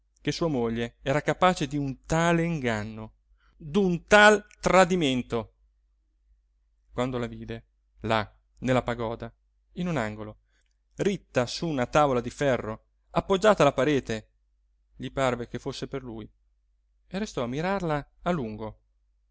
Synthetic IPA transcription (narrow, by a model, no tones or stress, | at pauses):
kesuːamoʎːeɛːɾakapaːt͡ʃed̪iunt̪aːleiŋɡanːo | d̪unt̪alt̪ɾad̪iment̪o | kwand̪olaviːd̪e | la | nelːapaɡɔːd̪a | inunaŋɡolo | rit̪ːasuːnat̪avolad̪ifɛrːo | apːod͡ʒːaːt̪alapaɾeːt̪e | ʎiparvekefosːeperluːj | erːest̪ɔamːiɾarlaːluŋɡo